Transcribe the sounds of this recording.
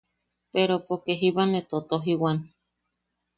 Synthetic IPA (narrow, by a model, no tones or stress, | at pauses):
peɾopokeɦiβanet̪ot̪oɦiwan